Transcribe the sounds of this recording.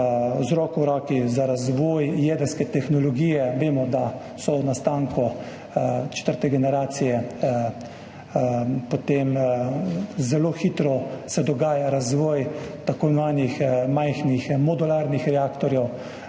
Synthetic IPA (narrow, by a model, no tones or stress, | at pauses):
zɾɔːkuɾɔːkizaɾazʋɔːjjeːd̪əɾskɛt̪ɛxnɔlɔɡiːjɛʋeːmɔd̪a | sɔnast̪aːŋkɔ | t͡ʃɛ̥t̪əɾt̪ɛɡɛnɛɾaːt̪sijɛ | pot̪em | zɛloxiːt̪ɾɔsɛd̪ɔɡaːjaɾazʋɔːjt̪akonʋaːnjixmajxnixmɔd̪ulaːɾnixɾɛaːkt̪ɔɾjɛw